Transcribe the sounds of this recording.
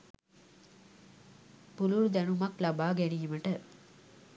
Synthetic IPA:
puluɾd̪ænumaklabaːɡæniːməʈə

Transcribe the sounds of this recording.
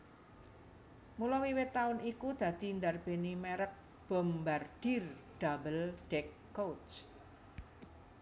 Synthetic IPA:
mulɔwiwɪt̪ːaʊnikud̪̥ä̤d̪̥i̤nd̪arb̥e̤nimeɾət̪̚ | b̥ə̤mbard̪̥i̤rɖ̪̥abəlɖ̥ɛkːot͡ʃ

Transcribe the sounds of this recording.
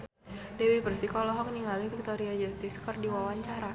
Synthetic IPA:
dɛwipərsikɔlɔɦɔk̚niŋalifik̚t̪oɾiad͡ʒast̪iskɔrdiwawaɲt͡ʃaɾa

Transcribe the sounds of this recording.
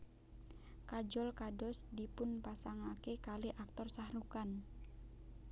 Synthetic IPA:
kad͡ʒɔlkadɔsdipʊnpasaŋakekaliʔak̚t̪ɔrsahɾukan

